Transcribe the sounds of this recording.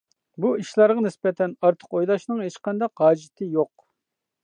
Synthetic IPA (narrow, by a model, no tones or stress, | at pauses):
buiʃlˠɑɾʁɑnɪsbɛt̪ʰɛnɑɾt̪ʰə̥qojlˠɑʃnɨŋɦet͡ʃqʰɑnd̪ɑqɦɑːd͡ʒɪt̪ʰɪjoq